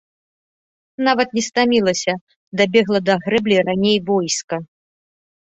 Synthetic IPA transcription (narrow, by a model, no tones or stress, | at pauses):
navɐt̪̚nʲɛst̪amʲilˠɐsʲɐ | d̪abʲɛɣlˠɐd̪ɐɣɾɛblʲiɾanʲejvɔjskɐ